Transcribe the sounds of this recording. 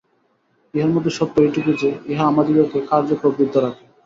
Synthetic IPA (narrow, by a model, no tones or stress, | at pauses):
iɦaɾmɔd̪ʱːeʃɔt̪ːoeʈuket͡ɕeeɦaamad̪iɾokekaɾd͡ʑokɾobɾid̪ʱːɔɾake